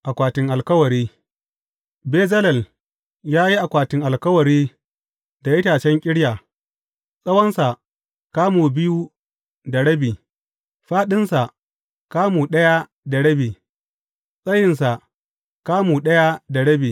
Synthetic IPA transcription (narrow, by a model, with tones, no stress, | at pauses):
ʔa˨kʷaː˨tɪ˨ŋʔa˨lkɐ˦wɐ˨ɾiː˦ | beː˦zɐ˦lɐ˨l | jaː˦ji˦ʔa˨kʷaː˨tɪ˨ŋʔa˨lkɐ˦wɐ˨ɾiː˦ | da˨jɪ˦taː˨t͡ʃɛ˦ŋkʲʼɪ˦ɽjaː˨ | sʼɐ˦wɐ˦nsa˨ | kaː˦muː˨bɪ˦ju˦ | da˨ɽɐ˦biː˨ | ɸaː˦ɗɪ˦nsa˨ | kaː˦muː˨ɗɐ˦ja˦ | da˨ɽɐ˦biː˨ | sʼɐ˦jɪ˨nsa˨ | kaː˦muː˨ɗɐ˦ja˦da˨ɽɐ˦biː˨